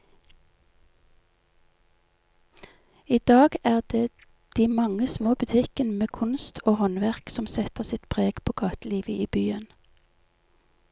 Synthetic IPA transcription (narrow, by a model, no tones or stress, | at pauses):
iːd̪̥ɑːɡæːʁd̪eː | d̪̥iːmɑŋəsmoːbʉt̪ʰɪkənmeːkʰʊnst̪ʰoːhɔnʋæʁksɔmsɛt̪əʁsɪt̪pʰʁeːɡ̥pʰoːɡɑːt̪liːʋəʔiːbyːən